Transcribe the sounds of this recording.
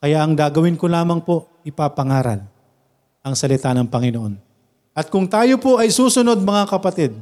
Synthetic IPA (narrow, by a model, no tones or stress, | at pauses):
kɐjaʔɐŋd̪aːɡɐwɪnkolaːmɐŋpo̞ʔ | ɪpaːpɐŋaːɾɐ̰l | ʔɐŋsɐlɪt̪anɐŋpɐŋɪnoʔo̞n | ʔɐt̪̚kʊŋt̪aːjopoʔɐjsuːsʊno̞d̪̚mɐŋakɐpɐt̪ɪd̪̚